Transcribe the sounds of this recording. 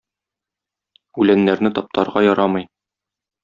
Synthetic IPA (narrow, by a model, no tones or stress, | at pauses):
ʉlænːæɾnɘt̪ɒp̚t̪ʰɑɾʁɑjɒɾɑmɤj